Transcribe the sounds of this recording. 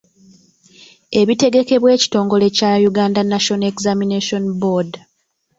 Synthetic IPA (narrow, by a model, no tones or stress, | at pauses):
e̞βite̞ɡe̞ke̞βwe̞ːci̥to̞ːŋɡo̞le̞cajuɡaːndanaʃo̞nekzamineʃo̞nbod